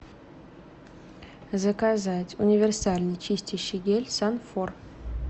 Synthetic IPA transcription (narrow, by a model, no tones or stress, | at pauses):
zəkazatʲʊnʲɪvʲɪrsalʲnɨjt͡ɕisʲtʲiɕɪɡʲelʲsanfor